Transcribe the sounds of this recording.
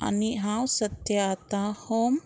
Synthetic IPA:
a̰niɦawsət̪jat̪ahom

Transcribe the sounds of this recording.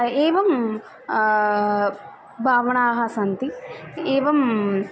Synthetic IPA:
eːʋɐm | bʱaːʋɐɳaːɦɐsɐnt̪ieːʋɐm

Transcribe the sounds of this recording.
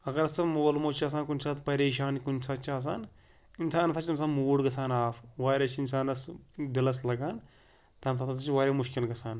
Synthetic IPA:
ɐɡɐɾɐsɐmoːlmot͡ʃʰiɐːs̬aːnkunʲsʰaːt̪pɐɾeːʃaːnkunʲsʰaːt͡ʃʰaːs̬a̰ːn | insaːnɐt̪ʰaːt͡ʃʰit̪ɐmsaːnmuːɽɡɐsʰaːnaːfʰʋaːɾʲat͡ʃʰinsaːnɐsd̪ilɐs̬lɐɡaːn | t̪ɐnt̪ʰat̪ʰt̪ɐt͡ʃʰiʋaːɾʲaːmuʃkilɡɐsʰaːn

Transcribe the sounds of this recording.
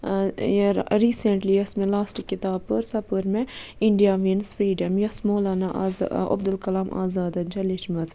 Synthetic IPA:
ɾiːseɳʈliɐsmẽlaːsʈkɪt̪aːb̚pəɾsɐpəɾmẽɪɳɖijaːʋinsfɾiːɖɐmjɐsmoːlaːnaʔɐ̰bd̪ɐlkɐlaːmʔa̰ːzaːd̪ɐnd͡ʒɐliʃmɐz

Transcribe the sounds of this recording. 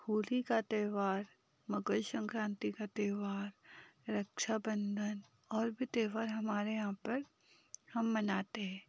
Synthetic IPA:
huːlikat̪eːʋaːɾ | mɐɡəlsə̃ŋkɾãːnt̪ikat̪eːʋaːɾɾɐkʃabə̃nd̪ʱən | ɔːɾbʱit̪eːʋaːɾɦɐmaːɾeãpɐɾ | hɐmːɐnaːt̪eɦɛ̃ː

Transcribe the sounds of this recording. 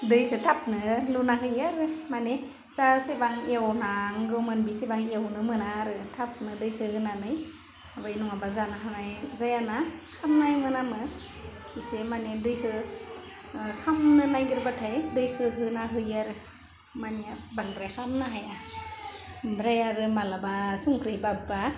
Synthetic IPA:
dɯjkʰɯtʰap̚nɯlunaɦɯjaɾɯmane | sasebaŋewnaŋɡɯwmɯnbisebaŋewnɯmɯnaɾɯtʰap̚nɯdɯjkʰɯhɯnanɯj | abajnuŋabazanaɦanajzajanakʰamnajmɯnamɯ | bisemanedɯjkɯ | xʰamnɯnajɡɯɾbatʰajdɯjkʰɯɦɯnaɦɯjaɾɯ | manijabaŋdɾajkamnaɦaja | bɾajaɾɯmalabasuŋkʰɾɯjbaba

